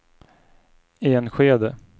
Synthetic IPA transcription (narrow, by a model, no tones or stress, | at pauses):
eɛnɧeːd̪ə